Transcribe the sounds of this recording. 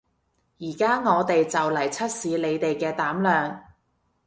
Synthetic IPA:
jiː˨˩kaː˥ŋɔː˨˧t̪e˨jt͡sɐ˨wlɐ˨˩jt͡sʰɐ˥t̚siː˨˧le˨˧jt̪e˨jkɛː˧t̪aː˨˥mlœː˨ŋ

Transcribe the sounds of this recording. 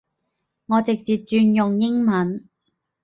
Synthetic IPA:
ŋɔː˨˧t͡sɪ˨k̚t͡siː˨t̚t͡ʃyː˧njʊ˨ŋjɪ˥ŋmɐ˨˥n

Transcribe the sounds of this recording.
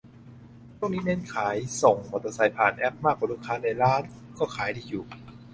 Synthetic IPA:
t͡ɕʰu˥˩ŋ̚niː˦˥ne˦˥˩nkʰaː˩˦jso˨˩ŋmo˨˩t̪ːa˧˩sa˨˩jpʰaː˨˩nʔɛ˦˥p̚maː˥˩k̚waː˧˦lu˥˩kʰːaː˧˥na˧˩jɾaː˦˥˩n | kɔː˥˩kʰaː˨˩˦jdiː˧˩juː˨˩

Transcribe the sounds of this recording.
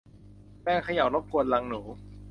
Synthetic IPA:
pɛː˥˩ŋkʰa˧ja˨˩wlo˦˥p̚ku˧ənla˧ŋnuː˩˦

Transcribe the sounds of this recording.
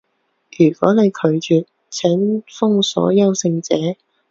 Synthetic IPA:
jyː˨˩kɔ̰ː˨˥ne˨˧jkʰɵ˨˧ɥt͡ʃyː˨ | t͡sʰɛː˨˥ŋfʊ˥ŋsɔ̰ː˨˥jɐ˥wsɪ˧ŋt͡sɛː˨˥

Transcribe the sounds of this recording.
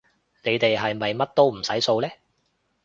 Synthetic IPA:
ne˨˧jt̪e˨jɦɐ˨jmɐ˨jmɐ˥t̚t̪o˥wm̩˨˩sɐ˨˥jso˧wlɛː˥

